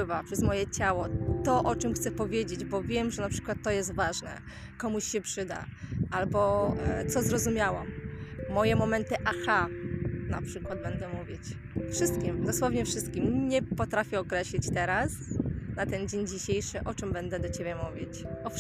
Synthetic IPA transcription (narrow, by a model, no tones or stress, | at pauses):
ɘvapʂɛzmɔjɛt͡ɕawɔt̪ɔʔɔt͡ʂɘmxt̪sɛpɔvʲjed͡ʑed͡ʑbɔvʲjɛmʐɛnapʂɘ̥kwat̪ːɔjɛst̪vaʐnɛ̰ | kɔmuɕɕɛpʂɘd̪a̰ʔalbɔt̪sɔzɾɔzumʲjawamːɔjɛmɔmɛnt̪ɘʔaxana̰pʂɘkwad̪̚bɛnd̪ɛmuvʲjit͡ɕ | fʂɘst̪̚kʲimd̪ɔswɔvɲɛfʂɘst̪kʲimɲɛpɔt̪ɾafʲɛɔkɾɛɕlʲit͡ɕt̪ɛɾasnat̪ɛnd͡ʑeɲd͡ʑiɕejʂɘʔɔt͡ʂɘmbɛnd̪ɛd̪ɔt͡ɕebʲɛmuvʲjit͡ɕɔ